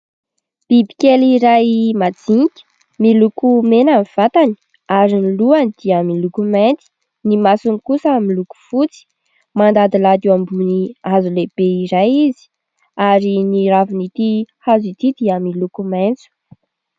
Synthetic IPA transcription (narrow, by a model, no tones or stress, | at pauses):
b̥ibi̥kʲeliɾajmad͡ziŋkʲə̥ | milukumenamiv̥at̪ani̥ | aɾiniluanid̪̥iamilukument̪i̥ | nimasunikusamiluku̥fut͡si̥ | mand̪ad̪ilad̪iambuniazuleb̥eiɾajizi̥ | aɾiniɾavunit̪ihazit̪id̪iamilukument͡su̥